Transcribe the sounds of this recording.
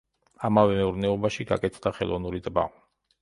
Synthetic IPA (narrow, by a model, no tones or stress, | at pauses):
amavɛmɛuɾnɛɔbaʃiɡa̰kʼɛt̪sʰd̪aχɛlˠɔvnuɾit̪ʼba̰